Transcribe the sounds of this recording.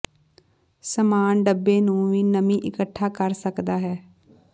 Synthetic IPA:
səmaːnɖəbːeːnũːʋiːnəmĩːʔɪkəʈʰːaːkəɾsəkd̪aːɦɛː

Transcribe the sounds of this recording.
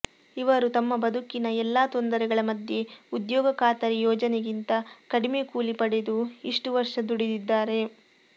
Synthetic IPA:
iʋɐɾut̪ɐmːɐbɐd̪ukinɐɛlːaːt̪ond̪ɐɾɛɡɐɭɐmɐd̪je̞ud̪jɔːɡɐkaːt̪ɐɾijɔːd͡ʒɐneɡint̪ɐkɐɽimekuːlipɐɽe̞d̪uiʂʈuʋɐɾʂɐd̪uɽid̪id̪ːaːɾe̞

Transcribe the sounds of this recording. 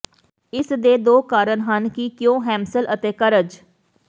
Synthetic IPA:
ɪsd̪eːd̪oːkaːɾəɳɦənkikjõːɦɛ̃ːmsəlʔət̪eːkəɾəd͡ʒ

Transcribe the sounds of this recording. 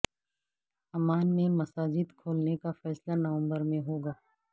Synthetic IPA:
ɐmaːnmẽmɐsaːd͡ʒɪd̪kʰoːlnekafɛːslanɐʋə̃mbəɾmẽɦoːɡaː

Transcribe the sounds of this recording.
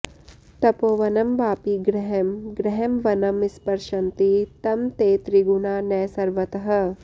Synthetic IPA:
t̪ɐpoːʋɐnɐmbaːpiɡɾɛɦɐmɡɾɛɦɐmʋɐnɐmɪspɐɾʃɐnt̪it̪ɐmt̪eːt̪ɾiɡuɳaːnɛːsɐɾʋɐt̪ɐɦɐ̆

